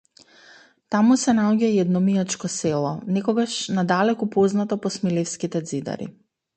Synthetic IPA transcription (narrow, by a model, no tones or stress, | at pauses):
t̪amusɛnaɔɟaiɛd̪nɔmiat͡ʃkɔsɛlˠɔnɛkɔɡaʃnad̪alɛkupɔznat̪ɔpɔsmilefskit̪ɛd̪zid̪a̰ɾḭ